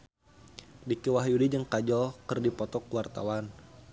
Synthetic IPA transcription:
dikiwaɦjudid͡ʒəŋkad͡ʒɔlkərdipɔt̪ɔkuwart̪a̰wan

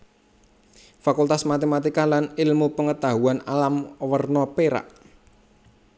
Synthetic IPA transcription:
fakult̪asmat̪emat̪ikalanɪlmupəŋət̪aɦuanalamwərnɔpeɾa̰ʔ

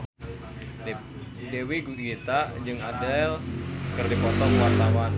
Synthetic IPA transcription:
dewiɡuit̪aʔd͡ʒɨŋadɛlkɨrdipɔt̪ɔŋwart̪awan

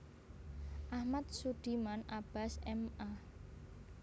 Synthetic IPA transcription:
ʔahmat̪̚sud̪̥imanʔab̥a̤sɛma

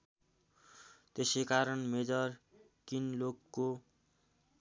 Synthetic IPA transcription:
t̪esekaɾʌnmed͡zʌr | kinlokːo

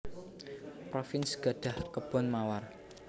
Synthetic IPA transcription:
pɾofɪnsɡ̥a̤ɖ̥a̤hkəb̥ɔ̤nmawar

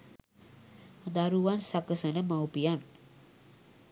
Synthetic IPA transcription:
d̪ɐɾuʋaːnsɐkːɐsɐnɐmɐwpijaːn

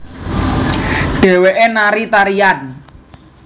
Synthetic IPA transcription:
ɖ̥e̤weʔenaɾit̪aɾian

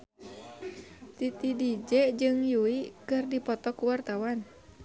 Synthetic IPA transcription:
t̪it̪idid͡ʒɛd͡ʒɨŋjuikɨrdipɔt̪ɔkuwart̪awan

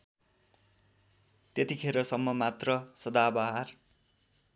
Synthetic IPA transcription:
t̪et̪ikʰeɾʌsʌmːʌmat̪rʌsʌd̪abʌɦar

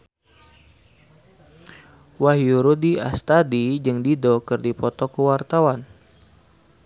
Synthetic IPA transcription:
wahjuɾudiast̪adid͡ʒɨŋdidɔkərdipɔt̪ɔkəwart̪awan

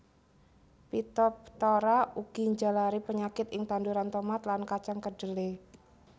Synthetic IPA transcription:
pit̪ɔp̚t̪oɾauɡ̥iɲd͡ʒalaɾipəɲakɪt̪ɪŋt̪anduɾant̪omat̪lankat͡ʃaŋkəɖ̥əle

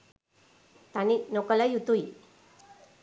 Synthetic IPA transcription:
t̪aninokəlajut̪ui

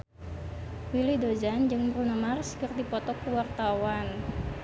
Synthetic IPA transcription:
wilidod͡ʒand͡ʒɨŋmərunəmarskɨrd̪ipɔt̪ɔkəwart̪awan

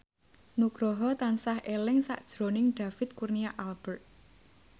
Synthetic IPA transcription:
nuɡ̥ɾɔɦɔt̪ansahʔelɪŋsa̰ʔd̥ʒ̥ɾonɪŋɖ̥a̤fɪt̪̚kurniaʔalb̥ərt̪̚

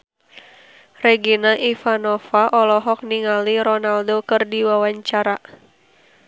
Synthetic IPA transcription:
rɛɡinaʔifanɔfaʔɔlɔɦɔk̚niŋaliɾɔnaldokɨrdiwawaɲt͡ʃaɾa

